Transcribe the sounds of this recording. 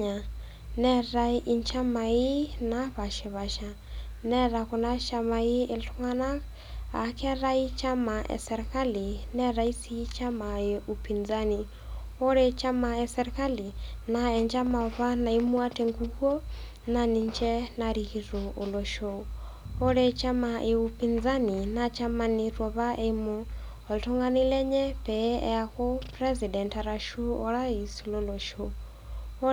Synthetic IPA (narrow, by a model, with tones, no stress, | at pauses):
a˨ | nɛ˦ɾa˦i˨ɲt͡ʃa˦ma˨i˦na˨βa˨ʃɛ˨βa˨ʃa | nɛ˦ɾa˨ko˨na˦ʃa˨mai˦e˨ɬo˦ŋa˦na˦ | a̰˨kɛ˦ɾa˦i˦t͡ʃa˦ma˨ʔɛ̰˨sɛ˨ɾɛka˦li˨nɛ˦ɾa˨i˦si˦i˦t͡ʃa˦ma˨je˨ʔu˨pi˨nza˦ni˨ | o˦ɾe˦t͡ʃa˦ma˨ɛ˨sɛɾɛka˦li˨na˨ɛ˨nd͡ʒa˦ma˨βa˦na˨imu˦a˦tʰeŋɡukɔ˦ | nani˨nt͡ʃɛ˦naɾihiɾo˨ʔo˨lɔ˨ʃo | ɔ˦ɺɛ˦t͡ʃʰa˦ma˨ʔe˨upʰind͡za˦ni˨nat͡ʃʰa˦ma˧nirɔ˨βa˦ʔe˦mɔ˦ | ɔ˨ltʰu˦ŋɡa˦ni˦lɛ˦ɲɛ˦pɛɛ̰˦axo˦prɛ˦zi˨dɛ˨nta˨ɾaʃu˦ɔ˨ɺa˦i˨si˨lɔlɔ˨ʃo˦